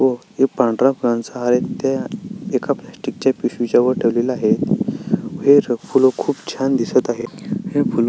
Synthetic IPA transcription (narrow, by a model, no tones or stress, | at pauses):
ʋɔ | epãɳɖɾapuɾãnsaɦaɾet̪ːaekaplasʈik̚t͡ɕjapiɕit͡ɕaʋəɾʈʰəʋlelaɦet̪ | ɦeɾfulokʰuːpt͡ɕʰand̪isət̪aɦeheful